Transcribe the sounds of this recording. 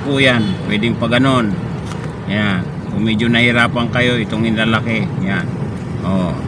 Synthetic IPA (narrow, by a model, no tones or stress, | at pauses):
pujanpwɛdɪŋpaɡanon | ja | kumid͡ʒonahiɾaːpaŋkajoit̪oŋinlalakeŋjan | o